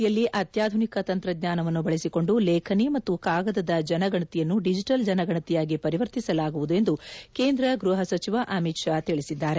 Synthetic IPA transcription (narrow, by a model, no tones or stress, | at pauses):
jɐlːiʔɐt̪jaːd̪ʱunikɐt̪ɐnt̪ɾɐd̪ɲaːnɐʋɐnːubɐɭesiko̞ɳɖulɛːkʰɐnimɐt̪ːukaːɡɐd̪ɐd̪ɐd͡ʒɐnɐɡɐɳɐt̪ijɐnːuɖid͡ʒiʈɐld͡ʒɐnɐɡɐɳɐt̪ijaːɡipɐɾiʋɐɾt̪isɐlaːɡuʋud̪ue̞nd̪ukeːnd̪ɾɐɡɾuɦɐsɐt͡ʃiʋaʔɐmit̪ʃaːt̪iɭisid̪ːaːɾe